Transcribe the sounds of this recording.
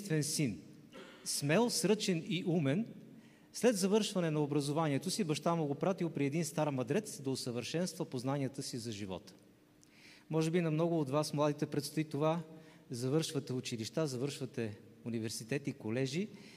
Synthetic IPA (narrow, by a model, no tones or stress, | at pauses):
st̪vɛnsin | smɛlˠsɾɤt͡ʃɛniʔumɛn | slɛd̪zɐvɤɾʃvɐnɛnɐobɾɐzovaniɛt̪osibɐʃt̪amoɡopɾat̪ilˠpɾiɛd̪inst̪aɾmɐd̪ɾɛt̪sd̪ɐosəvəɾʃɛnst̪vəpoznaniət̪əsizɐʒivɔ̰t̪ə̥ | mɔʒɛbinɐmnɔɡʊːd̪vasmlˠad̪it̪ɛpɾɛt̪st̪oit̪ovazɐvɤɾʃvət̪ɛʊt͡ʃiliʃt̪azɐvɤɾʃvɐt̪ɛunivɛɾsit̪ɛt̪ikolɛʒi